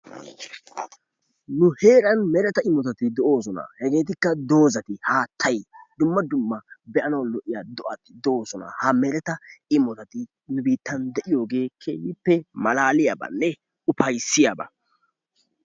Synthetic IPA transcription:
nʊhe̞ːɾɐnmɛɾɛt̪ɐɪmɔt̪ɐt̪ɪd̪ɔʔo̞ːsɔnɐ̰hɛɡe̞ːt̪̬ɪkːɐd̪o̞ːzɐt̪ɪhaːt̪ʰːɐjd̪ʊmːɐd̪ʊmːɐbɛʔɐnɐwlɔʔɪjaːd̪ɔʔɐt̪ɪd̪ɔʔo̞ːsɔnɐ̰hɐmɛɾɛt̪ɐɪmːɔt̪ɐt̪ɪ | nʊbiːt̪ːɐnd̪ɛʔɪjo̞ːɡe̞ːkʰeːjɪpːɛmɐlaːlɪjabɐ̰nːɛ | ʊpɐjsːɪjabɐ̰

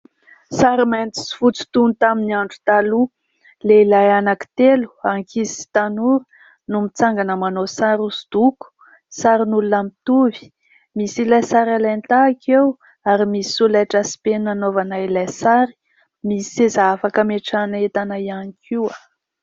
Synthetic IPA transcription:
saɾimant̪i̥si̥fut͡si̥t̪unt̪aminiaɳɖ͡ʐu̥t̪alu | leilajanaki̥t̪elu̥aŋkʰizisi̥t̪anuɾu̥ | numit͡saŋɡanəmanosaɾusu̥d̪̥uku̥ | saɾinulunamit̪uvi̥ | misilajsaɾalant̪aːkʰew | aɾimiulajʈ͡ʂasi̥penanovanailajsaɾi̥ | misezaafakəmeʈ͡ʂanet̪anaianikʰia

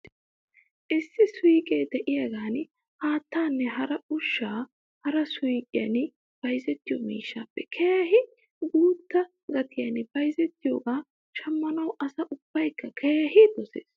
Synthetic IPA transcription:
ʔɪsːɪsʊjkʼeːd̪ɛʔɪjɐɡaːn | haːt̪ːaːnːɛɦɐɾɐʊʃːaː | hɐɾɐsʊjkʼɪjɐ̰n | b̥ɐjzɛt̪ːɪjomḭːʃːaːpːɛkʰeːɐhɪ | ɡuːt̪ːɐ | ɡɐt̪ʰɪjɐnb̥ɐjzɛt̪ːɪjo̰ːɡaː | ʃɐmːɐnɐwʔɐsɐʔʊb̥ːɐjkːɐkʰeːɦɪd̪ɔsḛːs

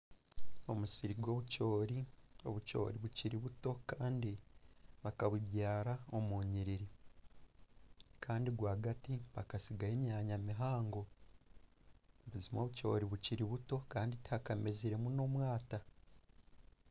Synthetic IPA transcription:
o̞musiɾiɡwo̞βuco̞ːɾio̞̰βuco̞̰ːɾiβuciɾiβuto̞kaːndiβakaβuβjaːɾao̞moːɲiɾiɾi | kʰaːndiɡwaːɡatiβakasiɡahemjaːɲamiɦaːŋɡo̞ | βuzimo̞ːβuco̞̰ːɾiβuciɾiβuto̞kaːnditakameziɾe̞muno̞ːmwaːta

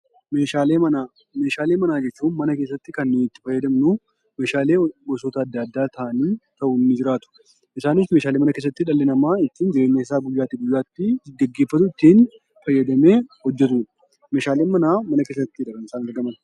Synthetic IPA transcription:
me̞ːʃaːleːmɐnaː | me̞ːʃaːle̞ːmɐnaːd͡ʒɛt͡ʃːuːnmɐnɐke̞ːsːɐt̪ːɪkɐnːɪt̪ːɪ̥fɐjːɐd̪ɐmnuː | me̞ːʃaːle̞ːbɔsɔt̪ɐːd̪ːɐɐd̪ːaːt̪ɐʔɐniːt̪ɐʔʊnnːɪd͡ʒɪɾaːt̪ʊ̥ | ʔɪsaːnɪsmeːʃaːlemɐnɐke̞ːs̬ːɐt̪ːɪᶑɐlːɛnɐmaːɪt̪ːiːnd͡ʒɪɾe̞ːɲːɐɪsaːɡʊjːaːt̪ːɪɡʊjːaːt̪ːɪɡɛɡːeːfːɐt̪ʊɪt̪ːiːn | fɐjːɐd̪ɐme̞ːhɔd͡ʒːɛt̪uːᶑɐ | me̞ːʃaːleːnmɐnaːmɐnɐke̞ːsːɐt̪ːɪᶑɐkɐnɪsaːnɐɾɡɐmɐn

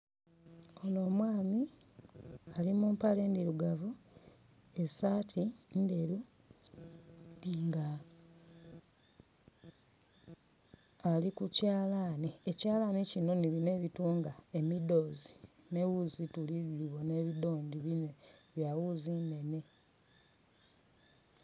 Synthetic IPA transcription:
ono̞ːmwaːmi | alimuːmpale̞ːndiɾuɡavu | e̞saːtʰinde̞ɾu | ŋɡa | likucaːlaːniecaːlanicino̞niβine̞βituːŋɡae̞mido̞ːzi | ne̞wuzituliliβo̞ne̞βido̞ːndiβine̞βjawuzine̞ne̞

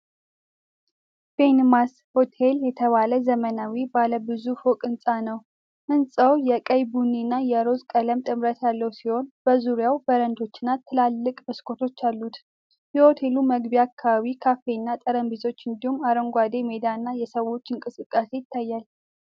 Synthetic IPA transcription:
b̥enmas | ho̞t̪ʰe̞ljɛt̪ʰəβaləzəmənawibaləbɨzufokʼɨnsʼanəw | ʔɨnsʼəwjɛkʼəjbunːinːajɛɾo̞zkʼələmt̪ʼɨmɾət̪jalːəwsiho̞nb̥əzuɾjawbəɾənd̪o̞t͡ʃːɪnːat̪ʰːɨlalːɨkʼbɨskʰo̞t̪ʰo̞t͡ʃːalːut̪ | jɛho̞t̪ʰe̞luməɡbiakʰːaβaβikʰafe̞nːat̪ʼəɾəmbizo̞t͡ʃːɨnd̪ihumaɾəŋɡʷad̪e̞me̞d̪anːajɛsəwːo̞t͡ʃːɨŋkʼɨsɨkʼːase̞jɪt̪ʰːajːal

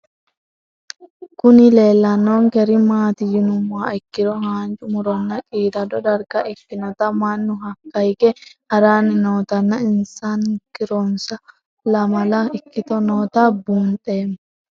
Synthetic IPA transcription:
kʊnɪle̞ːlːɐnːoːŋkɛɾɪmaːt̪ɪjɪnʊmaːɪkːɪɾɔɦaːnt͡ʃʼʊmʊɾɔnːɐkʼiːd̪ɐdɔd̪ɐɾɡɐʔɪkːɪnɔt̪ɐmɐnːʊɦɐkːɐjkɛhɐɾaːnːɪnoːt̪ɐnːɐɪnsaːnkɪɾɔnsɐ | lɐmɐlɐɪkːɪt̪ɔnoːt̪abuːnt̪ʼeːm

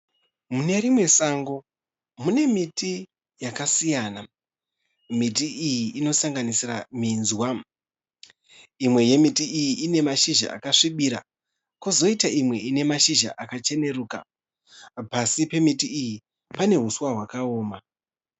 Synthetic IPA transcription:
mune̞rimwe̞saŋɡo̞ | mune̞mitʰi | jakasijana | mit̬iʔijiʔːno̞saŋɡanisiraminzwa | imwe̞je̞mitiijiʔine̞maʃiʒa̰ʔa̰kaʂiɓiɾa̰ | kozo̞itaimwe̞ine̞maʃiʒa̰ʔakat͡ʃe̞ne̞ruːka̰ | pasipe̞mitiiji | pane̞ɦuswaɦwakaoːma

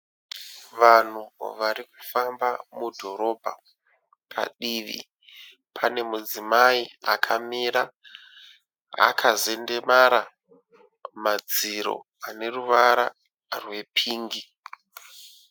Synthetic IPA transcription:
ʋan̤uʋaɾiku̥fambamudʱo̞ɾo̞bʱa̰ | pʰa̰ɗiʋḭ | pʰane̞mud͡zimaia̰kʰamiɾa | a̰kʰaze̞nde̞maɾa | mad͡ziɾo̞̰ | ane̞ruʋaɾa | rwe̞pʰiːŋɡi

